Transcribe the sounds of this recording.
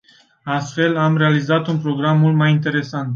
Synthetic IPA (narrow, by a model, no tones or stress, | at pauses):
ast̪fe̞lamɾe̞alizat̪unpɾo̞ɡɾamːult̪majint̪e̞ɾe̞sant̪